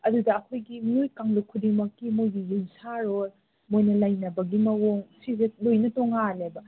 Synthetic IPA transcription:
ɐdudɐːkʰojɡimiojkaŋlukʰudiŋmɐkːimojɡijumsaɾoɾ | mojnɐlɐjnɐbɐɡimɐwoŋsizelojnɐtoŋalebɐ

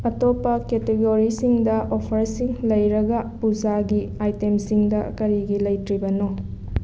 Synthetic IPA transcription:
ɐtopːɐketeɡoɾisiŋdɐʔopʰɐɾsiŋlɐjɾɐɡɐpud͡ʒaɡiajtemsiŋdɐkɐɾiɡilɐjtɾibɐno

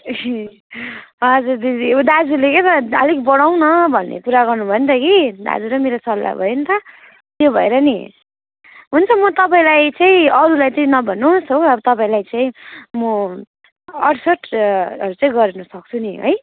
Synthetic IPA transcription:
ʌd͡zuɾd̪idiod̪ad͡zuleket̪ʌʌlikbʌɽawnʌbʱʌnːḛpuɾaɡʌrnubʱʌʌnt̪ʌkid̪a̰d͡zuɾʌmeɾosʌlːa̰bʱʌ̰jent̪ʰʌ | t̪jobʱʌeɾʌni | ɦunt͡sʰʌmʌt̪ʌpaĩlajt͡saĩʌɾulajt͡saĩnʌbʱʌnusɦoʌbʌt̪ʌpaĩlajt͡saĩmʌ | ʌʈsʌʈʰʌɾut͡saĩɡʌɾenʌsʌk̚t͡sʰuniɦʌ̰j

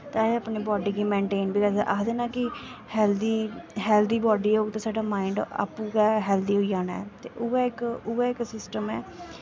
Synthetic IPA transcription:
t̪aːeəpneːbɔːɖiːkiːmẽːɳʈeːnbiːɾəd̪ɛ̰ʔa̰ːd̪eːnaːkɪhɛːld̪iːɦɛːlt̪iːbɔːɖiːʊɡt̪ãːsaːɖaːmaːɪɳɖa̰ːpũːkɛːɦɛːlt̪iːɦoːid͡ʒaːnaɛ̰ːt̪ḛːʔʊɛɪkʊɛːɪksɪsʈəmɛː

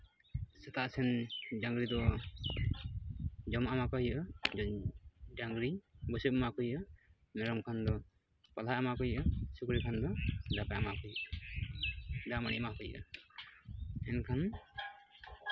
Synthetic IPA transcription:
sɛt̪aʔsɛnd͡ʒaŋɡɾid̪ɔ | d͡ʒɔmamakɔɦiʔəd͡ʒɔɲdaŋɡɾibɔsəp̚makɔjʔə | mɛɾɔmkʰand̪ɔ | palaʔamakɔjʔəsukɾikʰand̪ɔdapaamakɔjʔə | damaɽḭʔmakɔjʔə̰ | ɛnkʰan

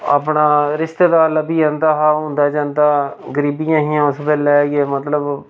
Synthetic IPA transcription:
a̰ːpɳaːɾɪst̪eːd̪aːləbiːãːnd̪aːɦaːɦʊ̃nd̪aːd͡ʒãːnd̪aːɡəɾiːbijãːɦiːãːʊspɛːlɛːkeːmət̪ləb

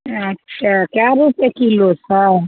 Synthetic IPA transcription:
ətːʃʰakjaɾupjekilosaɾ

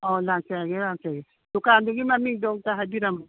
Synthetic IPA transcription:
ɔlansɛɡɛlansɛɡɛ | dukanduɡimamidɔŋtaɦabiɾam

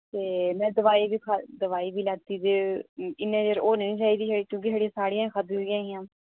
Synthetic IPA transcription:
t̪eːmɛ̃ːd̪əʋaːiːbiːkʰad̪əʋaːiːbiːlat̪iːd̪eːɪnːẽːd͡ʒəɾoːnəĩːt͡ʃaːiːd̪iːʃːɽikjõːk̬ɪʃʰaːɽijãːsaːɽɪjãːkʰəd̪ɦoɡɪjãːɦɪjãː

